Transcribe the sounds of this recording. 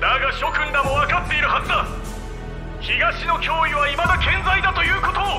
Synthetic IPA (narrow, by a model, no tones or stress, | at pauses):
naɡaɕo̞kɯ̟̃nd̪amoβakat̪ːe̞iɾɯ̟ɦazɨd̪a | çiɡaɕino̞kʲo̞ːiβaimad̪akẽ̞nd͡zaid̪at̪o̞jɯ̟ːko̞t̪o̞ː